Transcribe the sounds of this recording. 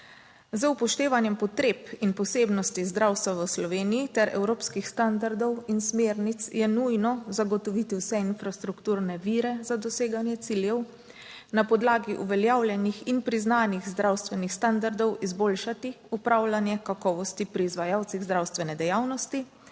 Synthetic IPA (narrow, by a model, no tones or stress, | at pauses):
zəupɔʃt̪eːʋanjɛmpɔt̪ɾeːpinpɔseːbnɔst̪izd̪ɾawst̪ʋaʋəslɔʋeːnijit̪ɛɾɛ̰wɾoːpskixst̪and̪aɾd̪ɔwinsmeːɾnit̪sjɛnujnɔzaɡɔt̪ɔʋit̪iwsɛinfɾast̪ɾukt̪uːɾnɛʋiːɾɛzad̪ɔseːɡanjɛt̪siːljɛw | napɔd̪laːɡiʔuʋɛljawlʲjɛnixinpɾiznaːniɣzd̪ɾawst̪ʋɛnixst̪and̪aɾd̪ɔwizbolʃat̪i | upɾawlanjɛkakɔːʋɔst̪ipɾiːzʋajawt̪siɣzd̪ɾawst̪ʋɛnɛd̪ɛjaːwnɔst̪i